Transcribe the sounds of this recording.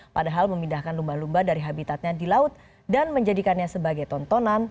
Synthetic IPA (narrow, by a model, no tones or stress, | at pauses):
padaɦalməmindahkanlumbalumbadaɾiɦabit̪at̪̚ɲadilaʊt̪̚ | danməɲd͡ʒadikanɲasəbaɡajt̪ɔnt̪ɔnan